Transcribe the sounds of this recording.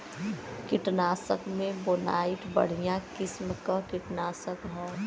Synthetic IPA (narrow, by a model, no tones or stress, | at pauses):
kɪʈnaːsəkmẽboːna̰ːɪʈbə̰ɽ̤ijãkɪsməkəkɪʈnaːsəkɦɛ